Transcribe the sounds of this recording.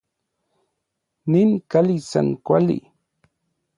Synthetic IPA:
nɪnkalisa̰ŋkwalḭ

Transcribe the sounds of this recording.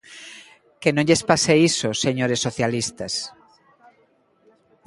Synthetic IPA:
kenõŋʎespaseisoseɲoɾesːoθjalist̪ɐs

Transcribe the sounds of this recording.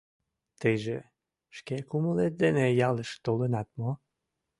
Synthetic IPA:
t̪ejʒe | ʃkekuməlet̪̚d̪enejɑləʃt̪olənɑt̪̚mo

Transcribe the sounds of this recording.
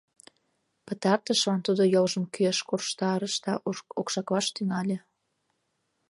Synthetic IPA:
pə̆t̪ɑrt̪əʃlɑnt̪ud̪ojolʒəmkyeʃkorʃt̪ɑɾəʃd̪ɑ̰ʔokʃɑkβɑʃt̪yŋɑlʲĕ

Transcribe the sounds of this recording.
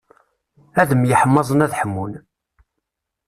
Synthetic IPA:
æðəmjəħəmːɑzˤənæðħəmːun

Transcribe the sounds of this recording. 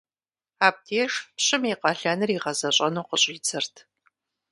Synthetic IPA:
aːp̚tʰeːʂpɕɪmiqɐɬɐnɨriʁɐzɐɕʼɐnuːqəɕʼiːt͡sʰɨrtʰ

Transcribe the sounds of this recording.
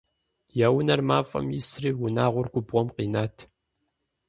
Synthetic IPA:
jaːwʊnɐrmaːfʼɐ̰mjɪsriːwʊnaːʁʷʊrɡʷʊbʁʷɔmqʼiːnaːtʰ

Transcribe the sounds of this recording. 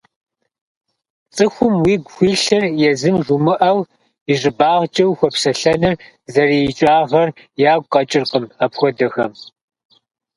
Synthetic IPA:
t͡sʼɨxʷʊmwiːɡʷxʷiːɬɐrjɛzɨmʐumɨʔɐw | iʐɨbaːʁt͡ʃʼɐwxʷɔpsɐɬɐnɨr | zɐrijɪt͡ʃʼaːʁɐr | jaːɡʷʼqʼɐt͡ʃʼɪrqʼəmɐpxʷɔdɐxɐm

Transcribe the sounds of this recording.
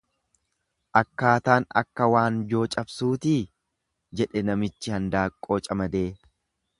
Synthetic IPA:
ʔɐkːaːt̪aːnɐ̰kːɐwaːnd͡ʒo̞ːt͡ʃʼɐbsuːt̪iː | d͡ʒɛᶑɛnɐmɪt͡ʃːɪhɐnd̪aːkʼːoːt͡ʃʼɐmɐd̪e̞ː

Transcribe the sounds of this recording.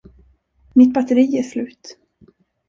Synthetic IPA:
mɪt̪̚bat̪əɾiːæslʉ̟ːt̪

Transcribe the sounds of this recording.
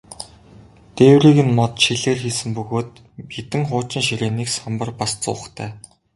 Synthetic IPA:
t̪eːwriːɣɘ̆nmɔt̪ʃiɮeːrxiːsɘ̆mpɵɣoːt̪̚ | mit̪ɘ̆ŋχʊːt͡ɕɪ̆nʃiɾeːniːksampə̆rpast͡sʊ̰̆ːχt̪ʰæː

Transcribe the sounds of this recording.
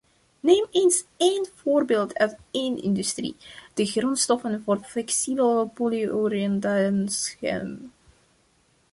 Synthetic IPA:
neːmeːnseːnv̥oːrbeːlˠtʰœ̰ɥtenɪ̰ndystrḭd̥əɣrɔnstɔfənvoːrflɛksibəlpolioriɛntasə̰n

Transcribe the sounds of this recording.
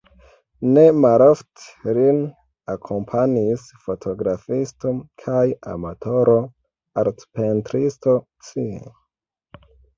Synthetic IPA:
ne̞malofte̥lin | akʰo̞mpʰanis | fo̞tʰo̞ɡɾafisto̞kʰaja̰matʰo̞ɾo̞ | aɾtpentɾisto̞ | t͡siḛ

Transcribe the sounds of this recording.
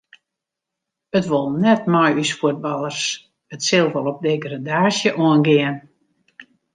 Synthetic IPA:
ətʋolˠnɛtmɔjysfuət̚bɑlˠərs | ətsɪlˠʋolˠɔp̚dejɡradaːsjəʔɔənɡɪən

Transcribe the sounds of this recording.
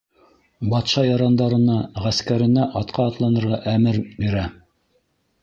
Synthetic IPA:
bɑt̪ʃɑjɑɾɑnd̪ɑɾɤ̆nɑʁæskæɾɘ̆næʔɑt̪qʰɑːt̪lˠɑnɤ̆ɾʁɑʔæmɘɾbiɾæ

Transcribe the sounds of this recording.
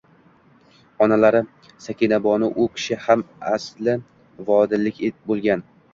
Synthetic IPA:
ɒnalaɾɪ | sakʲʰinabɒnɪʔʊkʲʰɪ̥ʃɪhamaslɪ | vɒd̪ɪlːɪkʲebolˠɡʲan

